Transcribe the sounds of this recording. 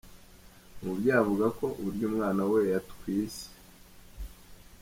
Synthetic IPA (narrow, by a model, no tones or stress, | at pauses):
mubɟaːvuɡako̞ʔuɾɟuːmŋaːnawejatkwiːse̥